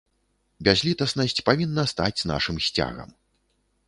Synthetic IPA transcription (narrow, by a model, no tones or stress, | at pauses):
bʲazʲlʲit̪ɐsnɐsʲt͡sʲpavʲinːɐst̪ad͡zʲna̰ʂɨmsʲt͡sʲa̰ɣɐ̰m